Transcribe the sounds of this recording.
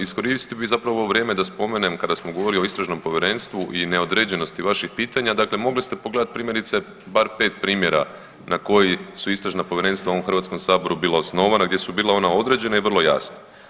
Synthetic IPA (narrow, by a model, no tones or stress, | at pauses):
isko̞ɾist̪ibizapɾaʋoʋɾje̞ːme̞d̪aspo̞me̞ne̞mkad̪asmoɡoʋo̞ɾilio̞ist̪ɾaʒno̞mpo̞ʋʲjeɾe̞nst̪ʋuʔine̞o̞d̪ɾe̞d͡ʑe̞no̞st̪iʋaʃixpiːt̪aɲad̪akle̞mo̞ɡlist̪e̞po̞ɡle̞d̪at̪pɾiːmje̞ɾit̪se̞ | baɾpe̞ːt̪pɾiːmje̞ɾa̰ | nako̞jisuist̪ɾaʒnapo̞ʋjeɾe̞nst̪ʋaoomxr̩ʋat̪sko̞msaːbo̞ɾubiːlaosno̞ʋanaɡd̪je̞subiːlao̞nao̞d̪ɾe̞d͡ʑe̞naiʋər̩lo̞ja̰sna